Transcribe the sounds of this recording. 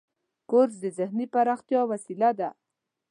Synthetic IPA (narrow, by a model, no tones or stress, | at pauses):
koɾzd̪əzɪhnipaɾɑxt̪jɑwasilad̪a